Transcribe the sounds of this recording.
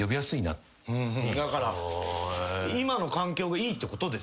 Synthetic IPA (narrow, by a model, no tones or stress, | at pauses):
jo̞bʲijasɨina̰t̪ | ɯ̃d̪akaɾa | imano̞kãŋkʲo̞ːɡaiːt̪ːeko̞t̪o̞d̪e̞s